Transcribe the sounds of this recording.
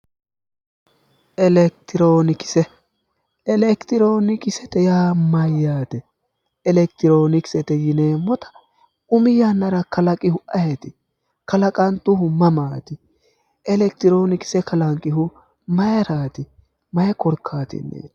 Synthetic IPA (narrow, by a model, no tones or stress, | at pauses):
ʔɛlɛk̚t̪ɪɾoːnɪkɪ̥sɛ | ɛlɛkt̪ɪɾo̞ːnɪkɪsɛt̪ɛjaːmɐjːaːt̪ɛ | ɛlɛkt̪ɪɾoːnɪkɪ̥sɛt̪ɛjɪneːmːɔt̪ɐ̥ | ʊmɪjanːɐɾɐkɐlɐkʼɪhʊʔɐhɛt̪ɪ | kɐlɐkʼɐnt̪ʊhʊmːɐmaːt̪ɪ | ɛlɛk̚t̪ɪɾo̞ːnɪkɪ̥sɛkɐlɐŋkʼːɪɦʊ | mɐjɐɾaːt̪ɪ | mɐjɛkɔɾkʰːaːt̪ɪ̰nːḛː